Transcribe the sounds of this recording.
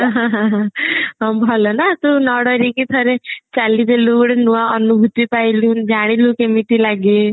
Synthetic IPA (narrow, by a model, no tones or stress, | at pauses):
ɦãɦãɦãɦbʱɔlɔnat̪unɔɽɔɾikit̪ʰəɾet͡ʃalid̪elukɽenuʋaənubʱut̪ipailuːnd͡ʒaɽ̃ilũkemiʈilaɡi